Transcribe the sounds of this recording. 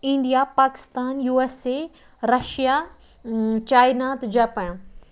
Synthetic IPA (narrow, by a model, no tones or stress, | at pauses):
ĩɳɖijapaːkɪ̥st̪aːnjuːeːse | ɾɐʃija | t͡ɕaːɪnaːt̪d͡ʑɐpɐj̃